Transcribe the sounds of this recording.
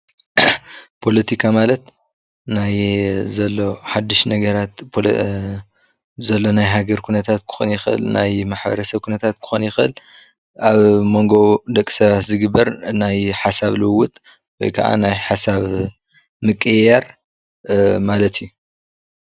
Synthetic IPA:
pʰo̞lɐt̪ʰikʰamalɐt̪ | najzɐlːo̞ħad̪ːɨʃnɐɡɐɾat̪p | zɐlːo̞najɦaɡɐɾkʰunɐt̪ʰat̪̚kʰɨ̥xo̰njɪxʔɨ̰lnajmaħbɐ̰ɾɐsɐβkʰunɐt̪ʰat̪kʰɨ̥xonjɪxʔɨ̰l | aβmo̞ŋɡo̞d̪ɐkʼːi̥sɐβat̪zɨɡɨbːɐɾnajħasaβlɨwʊt̪ʼ | wɔjkʰɐʔa̰najħasaβ | mɨkʼɨjaɾ | malɐt̪ʰijːu

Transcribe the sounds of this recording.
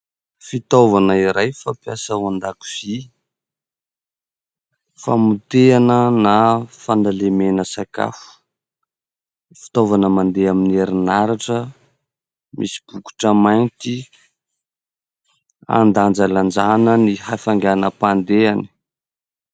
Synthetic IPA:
fit̪ovanəiɾajfapiasaand̪aku̥z̥i | fa̰mut̪eanənafand̪alemenəsaka̰fu̥ | fi̥t̪ovanəmand̪eaminieɾinaɾaʈ͡ʂə | mʔḭsi̥b̥uku̥ʈ͡ʂəmajnt̪i | a̰nd̪and͡zaland͡zanənihafaŋɡanəpand̪eani̥

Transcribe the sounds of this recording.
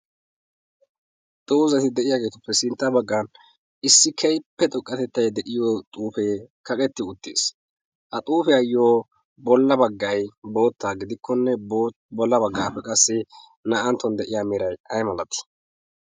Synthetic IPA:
t̪ʼoːzɐt̪ɪd̪ɛʔɪjaːɡe̞ːt̪ʊpːɛsɪnt̪ːɐbɐɡːan | ʔɪsːɪkʰɛjpːɛt̪ʼɔkʼːɐt̪ɛt̪ːɐjd̪ɛʔɪjot̪ʼuːfeː | kɐkʼɛt̪ːɪʊt̪ːḛːs | ʔɐt̪ʼuːfɛɐjoː | bɔlːɐbɐɡːɐjbo̞ːt̪ːaːɡɪd̪ɪkʰːɔnːɛ | bɔlːɐbɐɡːaːpːɛkʼɐsːɪ | nɐʔɐnt̪ːɔnd̪ɛʔɪjaːmɪɾɐjɐjmɐlɐt̪ɪ̥

